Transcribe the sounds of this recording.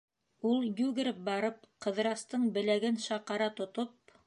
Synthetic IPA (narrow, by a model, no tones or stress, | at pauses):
ulˠjʉɡɘ̆ɾɘp̚bɑɾɤp̚qɤ̆ðɾɑst̪ɤɴbɘ̆læɡɘnʃɑqɑɾɑt̪ŏt̪op̚